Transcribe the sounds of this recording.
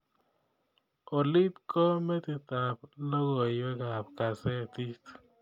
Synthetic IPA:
o˨li˦tkɔ˦mɛ˦t̪i˨t̪a˨p̚lɔ˦kɔ˨jwɛ˦ka˨pka˨sɛ˦t̪i˦t

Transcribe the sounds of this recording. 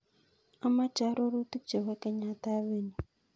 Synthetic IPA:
a˦ma˦t͡ʃa˨˦ɾo˦ɾu˦ti˦t͡ʃe˨wɛ˦kɛ˦ɲa˦ta˦βe˦ni˨

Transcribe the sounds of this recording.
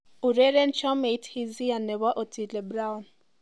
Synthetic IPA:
u˨ɾɛ˦ɾɛ˦nt͡ʃɔ˦me˨˦thi˦zi˦ja˨nɛ˨βa˦ʔɔ˨tʰi˨lɛ˨bɾa˦wn

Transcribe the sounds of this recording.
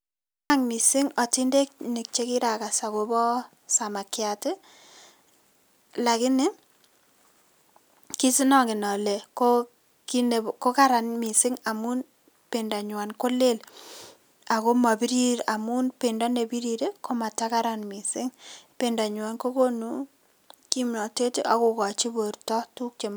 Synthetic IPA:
a˦ŋmi˨sɪ˦ŋɔ˨ti˦nde˦kne˨k̚t͡ʃe˦ki˦ɾa˨ka˨sa˨ko˦bɔ˦ | sa˨ma˨kja˨te˦ | la˨kɪ˦nɪ˦ | ki˦si˦nɔ˨ŋɡɪ˨nɔ˨le˨ko | ki˦ne˨ko˦ka˦ɾa˨nmi˨sɪ˦ŋa˨mu˦n | pe˨nda˨ɲwa˨nko˦le˦l | a˨ko˦ma˨bi˦ɾi˦ɾa˨mu˦npe˨nda˦ne˨bi˦ɾiɾe˦ko˦ma˨ta˦ka˦ɾa˨nmi˨sɪ˦ŋpe˨nda˨ɲwa˨nko˦ko˦nu˨ | ki˦mnɔ˨te˦ti˦ʔa˨ko˨kɔ˨t͡ʃi˦bo˨ɾtɔ˦tu˦k̚t͡ʃe˨m

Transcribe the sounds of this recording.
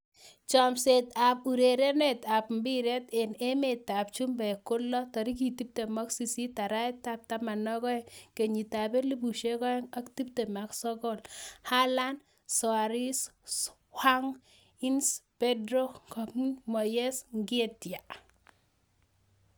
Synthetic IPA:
t͡ʃɔ˨mse˨ta˨p̚u˨ɾe˨ɾe˦ne˨ta˨pmbi˦ɾe˦te˨ne˦metːa˨p̚t͡ʃu˦mbɛ˨kʊ˦lːɔ˦tɔ˨ɾi˦k̬i˨ti˦p̚te˨mɔ˦ksi˨si˦ta˨ɾa˦jtap̚ta˦ma˨nːɔ˦kɔ˦ɛke˨ɲi˨ta˨be˦li˦bu˨ʃe˦kɔ˦a˦kti˦p̚te˨ma˨ksɔ˦ɡɔ˦lha˦la˦n | sɔ˨a˨ɾi˦s | ha˦ŋ | i˦nspe˦dɾo˦kɔ˨kmɔ˨jɛ˦sŋɡi˦tja˨

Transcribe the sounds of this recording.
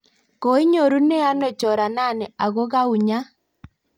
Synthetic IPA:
ko˨i˦ɲo˨ɾu˦ne˦a˦nɛ˨t͡ʃɔ˨ɾa˨na˦˨ne˨a˨ɣo˦ɣa˦u˨ɲa˦

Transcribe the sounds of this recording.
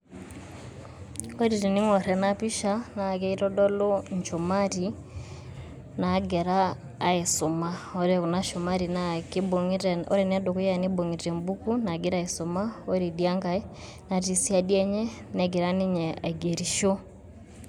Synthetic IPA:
o˦ɾi˨ɾi˨ni˦ŋɔ˨ɾɛ˨na˦pi˦ʃa˦na˨kɛ˦i˦ɾɔ˦dɔ˦lɔ˦ɲt͡ʃo˨ma˦ɾi | naɡɛ˨ɾaː˦ | e˨so˨ma˦ɔ˦ɾɛ˨kuna˦ʃo˨ma˦ɾi˨naki˦boɾɔ̰˦ɾɛ˨na˦do˨ku˦ja˨ni˦bo˨ŋi˨ɾɛ˨mbu˦ku˦na˨ɡi˦ɾa˦iso˨ma˦o˦ɾi˨dia˦ŋɡa˦i˦ | na˨ti˨si˦a˨diɛ˦ɲɛ˦nɛ˨ɡe˨ɾa˦ni˦ɲɛ˨a̰˨i˨ɡe˨ɾi˨ʃo˦

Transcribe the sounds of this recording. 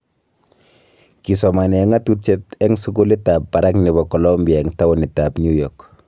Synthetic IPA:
ki˨sɔ˨ma˨nɛ˨ɛ˦ŋa˦tut͡ʃe˦tɛŋsu˦kʊ˦li˦tapːa˨ɾa˦knɪ˨bɔ˨kɔ˨lɔmbiaɛ˨ŋta˦wʊ˨nɪ˨ta˨bnju˦jɔk

